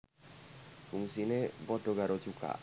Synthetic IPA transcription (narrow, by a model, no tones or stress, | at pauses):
tuŋsinebɔt̪oɡaɾod͡ʒuka̰